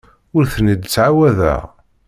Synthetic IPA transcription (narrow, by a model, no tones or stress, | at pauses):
ʊɾθənid̪t͡sːʕawæðæ̰ʁ